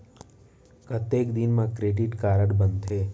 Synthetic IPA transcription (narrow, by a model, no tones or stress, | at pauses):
kət̪ːekd̪inmãkɾeɖiʈkaɾəʈbənd̪t̪ʰe